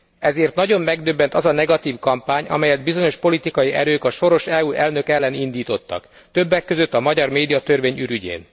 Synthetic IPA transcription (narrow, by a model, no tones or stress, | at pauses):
ɛzeːrt̪nɒɟo̞mːɛɡd̪øbːɛnt̪ɒzɒnɛɡɒt̪iːfkɒmpaːɲɒ̰mɛjɛd̪̚bizo̞ɲo̞ʃpo̞lit̪ikɒjiʔɛ̰ɾøːkɒʃo̞ɾo̞ʃɛuːʔɛlnø̞kɛlːɛnind̪iːt̪o̞t̪ːɒ̰k | t̪øbːɛkːøzøt̪ːɒmɒɟɒrmeːd̪ijɒt̪ørʋeːɲyɾyɟḛːn